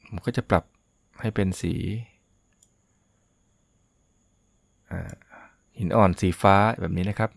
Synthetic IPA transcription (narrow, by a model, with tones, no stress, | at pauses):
kʰɔː˥˩t͡ɕa˨˩pla˨˩p̚ | ha˥˩jpe˧nsḭː˩˦ | ʔa̰ː˨˩ | hi˨˩˦nʔɔː˨˩nsiː˩˦faː˦˥bɛː˨˩niː˦˥na˦˥kʰa˦˥p̚